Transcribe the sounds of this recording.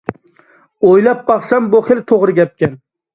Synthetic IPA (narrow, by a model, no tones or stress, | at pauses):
ojlap̚bɑχsamboχɪlt̪ʰoʁɾɪɡʲap̚kʲan